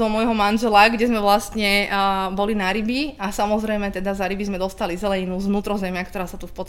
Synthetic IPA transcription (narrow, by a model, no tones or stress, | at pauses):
ɔmɔjɦɔmand͡ʒɛlaɡɟɛzmɛʋlast̪ɲɛbɔlinaɾibiasamɔzɾɛjmɛt̪ɛd̪azaɾibizmɛd̪ɔst̪alizɛlɛɲinuznuːt̪ɾɔzɛmjakt̪ɔɾaːsat̪ufpɔt͡s